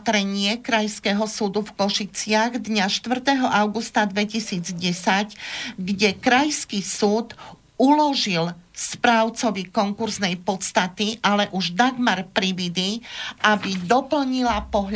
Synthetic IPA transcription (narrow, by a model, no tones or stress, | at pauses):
t̪ɾɛɲɪɛkɾajskɛːɦɔsuːd̪ufkɔʃit͡sɪaɣd̪ɲaʃt̪ʋr̩t̪ɛɦɔʔaʊɡust̪ad̪ʋɛcisiːd͡zɟɛsacɡɟɛkɾajskisuːt̪ | ulɔʒilspɾaːʊt͡sɔʋikɔŋkuɾznɛjpɔt̪st̪at̪iʔalɛʔuʒd̪aɡmaɾpɾiʋid̪iʔabid̪ɔpl̩ɲilapɔɦʎ